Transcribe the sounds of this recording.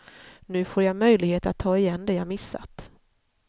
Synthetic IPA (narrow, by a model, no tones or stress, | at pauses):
nʉ̟ːfoːɾjamœjlɪɡheːt̪at̪ʰːɑːɪjɛnːd̪ɛjamɪsːa̰t̪